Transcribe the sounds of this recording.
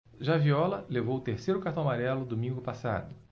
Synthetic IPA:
ʒaviɔlɐlevowt̪eɾsejɾʊkaɾt̪amaɾɛlʊd̪omĩŋɡʊpasa̰d̪ʊ

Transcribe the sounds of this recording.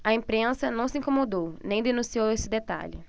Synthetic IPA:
ɐẽpɾẽsɐnɐ̃w̃sɪĩŋkomod̪ownẽj̃d̪enũsiowesɪd̪et̪a̰ʎɪ̰

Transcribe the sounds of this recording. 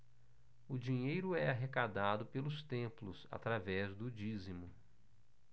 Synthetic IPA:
ʊd͡ʒiɲejɾʊɛaɦekad̪ad̪ʊpelʊst̪ẽplʊsa̰t̪ɾavɛzd̪ʊd͡ʒizimʊ

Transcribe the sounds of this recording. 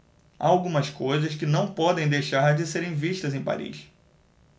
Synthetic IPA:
a̰awɡũmɐskojzɐskɪnɐ̃w̃pɔd̪ẽj̃d̪ejʃaɾd͡ʒɪseɾẽj̃viʃt̪ɐzẽj̃pa̰ɾḭʃ

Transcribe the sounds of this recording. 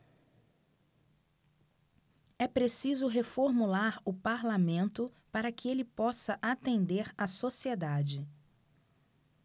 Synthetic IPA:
ɛpɾesizʊɦefoɾmulaɾʊpaɾlamẽnt̪ʊpaɾɐkɪelɪpɔsɐʔat̪ẽnd̪eɾasosied̪ad͡ʒɪ

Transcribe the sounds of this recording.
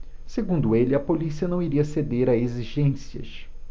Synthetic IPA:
seɡũnd̪ʊelɪɐpolisiɐnɐ̃w̃iɾiɐsed̪eɾaeziʒẽsiɐ̰ʃ

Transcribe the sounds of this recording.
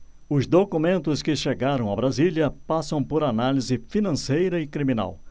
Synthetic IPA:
ʊzd̪okumẽnt̪ʊskɪʃeɡaɾɐ̃w̃abɾaziljɐpasɐ̃w̃poɾanalizɪfinɐ̃sejɾɐɪkɾimĩna̰w

